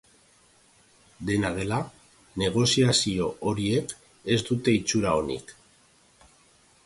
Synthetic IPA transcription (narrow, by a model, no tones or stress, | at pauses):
d̪e̞naðe̞la | ne̞ɣ̞o̞siasio̞oɾie̞k | e̞zd̪ut̪e̞it͡suɾao̞nḭk